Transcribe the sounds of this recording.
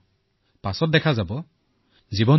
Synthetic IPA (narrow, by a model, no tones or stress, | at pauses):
pasɔt̚dɛkʰazabɔ | zibɔn